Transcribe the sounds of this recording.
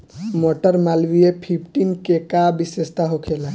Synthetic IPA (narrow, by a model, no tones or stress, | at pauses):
moʈəɾmalʋiepʰip̚ʰʈinkekabisest̪aɦokʰela